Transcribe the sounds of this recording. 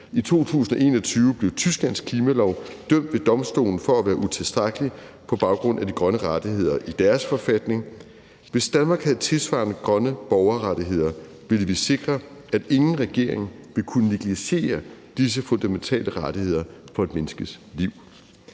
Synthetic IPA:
it͡sʰo̝̰ːt͡sʰṵːsn̩ɒ̽ʔe̝̰ːnɒt͡sʰyːʊəb̥le̝ʊt͡sʰysɡ̥læn̰skʰliːmælɒʊ̰d̥øm̰d̥ʋe̝d̥ɒ̽msd̥o̝̰ːln̩fɒ̽æʋæːɐʔut͡sʰe̝lsd̥ʁaɡ̥əli | pʰɒ̽b̥ɑ̈ʊɡ̥ʁɔ̽n̰ʔæd̥iɡ̥ʁɶnəʁad̥ihe̝ð̞̰ˠɐʔid̥æɐsfɒ̽fæd̥ne̝ŋ | ʋe̝sd̥ænmɑ̈ːɡ̥hæð̩ˠt͡sʰe̝lsʋɑ̰̈ːnəɡ̥ʁɶnəb̥ɒʊɐʁadiɦe̝ð̞̰ˠɐ | ʋe̝ləʋise̝ɡ̥ʁɐæd̥e̝ŋn̩ʁɛɡ̥e̝ɐ̰e̝ŋʋe̝lkʰunəne̝ɡ̥liɕe̝̰ːɐd̥is̬əfɔ̽nd̥æment͡sʰɛ̰ːləʁad̥ihe̝ð̞̰ˠɐfɒ̽e̝d̥menəsɡ̥əsliʊ̰

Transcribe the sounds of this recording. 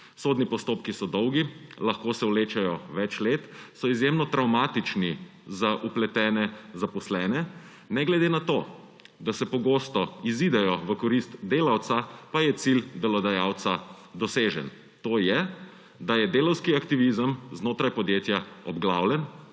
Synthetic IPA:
soːd̪nipɔst̪oːpkisɔd̪ɔwɡilaxkoːsɛwleːt͡ʃajɔʋɛt͡ʃleːt̪sɔizjemnɔt̪ɾawmaːt̪it͡ʃnizaʔuplɛt̪ɛːnɛzapɔslɛːnɛ | nɛɡlɛd̪enat̪oː | d̪asɛpɔɡoːst̪ɔizid̪ɛjɔʋəkɔɾist̪d̪eːlawt̪sapajɛt̪sild̪ɛlɔd̪ajaw̪sa | d̪ɔseːʒə̰n | t̪oːjɛ | d̪ajɛd̪eːlawskiakt̪iʋizəmznoːt̪ɾajpɔd̪jeːt̪jaɔbɡlaːwlʲjɛn

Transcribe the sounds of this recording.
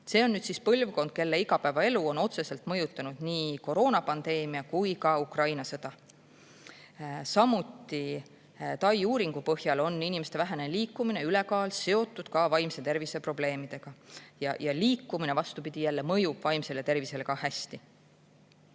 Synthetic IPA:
se̞ːonːyːd̪̥sispɤlvko̞nd̪̥̚ke̞lːe̞iɡɑpævɑe̞luo̞no̞t̪se̞se̞lt̪mɤjut̪ːˑɑnud̪̥niːko̞ɾo̞ːnɑpɑnd̪e̞ːmiɑkujkɑukrɑjnɑsɤd̪̥ɑ | sɑmut̪ːˑi | t̪ɑjuːɾiŋɡ̥upɤhjɑlo̞nːinime̞st̪e̞væɦeneliːkːˑumine̞yle̞kɑːlse̞o̞t̪ːˑud̪̥kɑvɑjmse̞t̪e̞rvise̞pro̞b̥le̞ːmid̪̥e̞ɡ̥ɑjɑjɑliːkˑːumine̞vɑst̪upid̪̥ʲijælːe̞mɤjub̥vɑjmse̞let̪e̞rvise̞lekɑhæst̪i

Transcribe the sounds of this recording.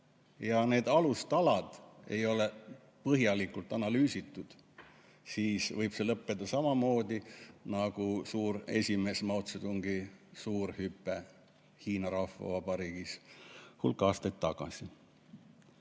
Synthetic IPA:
jɑne̞ːd̪̥ɑlust̪ɑlɑd̪̥e̞̰jo̞le̞ | pɤɦjɑlikult̪ˑɑnɑlyːsit̪ːˑud̪̥ | siːsvɤjb̥se̞lɤpːed̪̥ɑsɑmɑmo̞ːd̪̥inɑɡusuːɾe̞sʲime̞smɑot̪sed̪uŋɡ̥isuːɾhypːˑe | hiːnɑɾɑhɑ̰vɑbɑɾiːɡ̥ishulkːˑɑːst̪ɑjd̪̥̚t̪ɑɡ̥ɑ̰si

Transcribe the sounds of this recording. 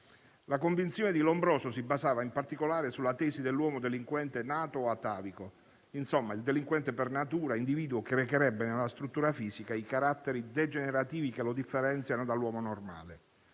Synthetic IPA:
lakoɱvint̪sjoːned̪ilombɾɔːsosibːazaːvaimpart̪ikolaːɾesulat̪ɛːzid̪elːwɔːmod̪eliŋkwɛnt̪enaːt̪oat̪ːaːviko | insomːaild̪eliŋkwɛnt̪epernat̪uːɾaind̪iviːd̪uokɾekeɾɛbːenelːast̪ɾut̪ːuːɾafiːzikaikaɾat̪ːeɾid̪ed͡ʒeneɾat̪iːvikelod̪ifːeɾɛnt̪sjanod̪alːwɔːmonorma̰ːle

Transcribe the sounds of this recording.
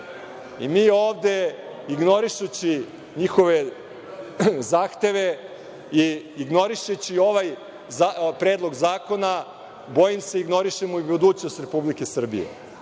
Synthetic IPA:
ḭmiːo̞ːʋd̪e̞ | iɡno̞ɾiʃut͡ɕi | ɲixo̞ʋe̞ | zaːxt̪e̞ʋe̞ | iː | ɡno̞ɾiʃet͡ɕio̞ʋaj | zapɾeːd̪lˠo̞ɡzaːko̞na | bo̞jimse̞iɡno̞ɾiʃe̞moibud̪uːt͡ɕno̞st̪ɾe̞publike̞sr̩bḭjḛ

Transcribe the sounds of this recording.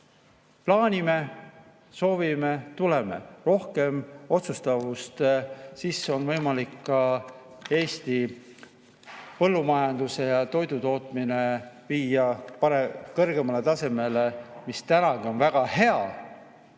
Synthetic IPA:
plɑːnʲime̞ | so̞ːvime̞t̪uleme̞̰ro̞hke̞mo̞t̪sust̪ɑvust̪sisːo̞nvɤjmɑlikːɑ | e̞ːst̪i | pɤlːumɑjɑnd̪use̞jɑt̪o̞jd̪ut̪o̞ːt̪ˑmine̞ | viːjɑpɑɾekɤrɡe̞mɑle̞t̪ɑse̞me̞le̞mist̪ænɑɡio̞nvæɡ̥ɑhe̞ɑ

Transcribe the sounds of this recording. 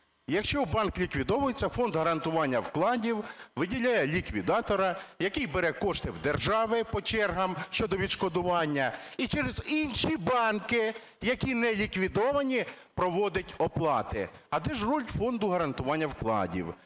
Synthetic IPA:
jɐkʃt͡ʃɔwbɑnklʲikʋʲid̪ɔʋʊjet͡sʲːɐfɔnd̪ɦɐɾɐnt̪ʊʋɑnʲːɐwklˠɑdʲiwʋɪdʲilʲajɛlʲikʋʲid̪ɑt̪ɔɾɐjɐkijbɛɾɛkɔʃt̪ɪwd̪erʒɑʋɪpɔt͡ʃɛrɦɐmʃt͡ʃɔd̪ɔʋʲid̪ʃkɔd̪ʊʋɑnʲːɐit͡ʃɛɾezinʲʃibɑnkɪ | jɐkʲinɛlʲikʋʲid̪ɔʋɐnʲi | pɾɔʋɔd̪ɐtʲɔplˠɑ̰t̪ɪ̰ɐd̪ɛʒrɔlʲfɔnd̪ʊɦɐɾɐnt̪ʊʋɑnʲːɐwklˠɑ̰dʲḭw

